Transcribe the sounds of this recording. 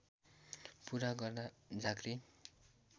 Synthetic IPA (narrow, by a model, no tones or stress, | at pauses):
puɾaɡʌrd̪ad͡zaɡɾi